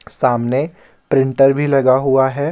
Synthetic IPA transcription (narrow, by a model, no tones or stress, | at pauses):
saːmne | pɾɪ̃ɳʈəɾbʱilɐɡaɦuaɦɛː